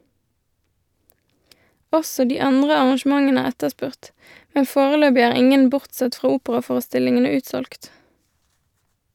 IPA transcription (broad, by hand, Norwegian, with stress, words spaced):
ˈɔsɔ ˈdiː ˈɑndʁə ɑʁɑnˈʃmɑŋən ˈæːʁ ˈɛtəˌspʉʁt ˈmɛn ˈfoːʁəˌløːbɪ ˈæːʁ ˈɪŋən ˈbʊʁtˌsɛt ˈfʁɑː ˈuːpəʁɑˌfoːʁəˌstɪlɪŋənə ˈʉːtsɔlkt